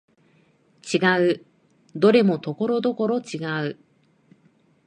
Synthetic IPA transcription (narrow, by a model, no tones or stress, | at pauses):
t͡ɕiɡaɯ̟ | d̪o̞ɾe̞mo̞t̪o̞ko̞ɾo̞d̪o̞ko̞ɾo̞t͡ɕiɡaɯ̟